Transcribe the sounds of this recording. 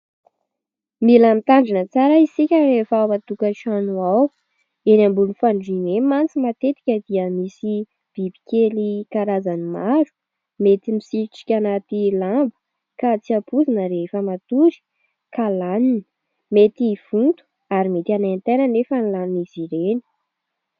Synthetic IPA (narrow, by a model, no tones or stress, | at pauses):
milamit̪aɳɖ͡ʐinət͡saɾəisikʲəɾefamat̪ukəʃanuaw | enambulunifaɳɖ͡ʐinemant͡simat̪et̪i̥kʲəd̪iəmisi | b̥ibi̥kʲelikaɾazanimaɾu̥ | met̪imisiɾʈ͡ʂi̥kʲanat̪ilambu̥ | kat͡siapʰuzinəɾefəmat̪uɾi̥ | kalanin | met̪iv̥unt̪u̥ | aɾimet̪anant̪enənefənilaniniziɾenə̥